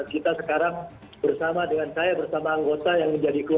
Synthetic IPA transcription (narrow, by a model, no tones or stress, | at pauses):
t̪kit̪asəkaɾaŋ | bərsamadəŋansajabərsamaːŋɡot̪ajaŋməɲd͡ʒadiku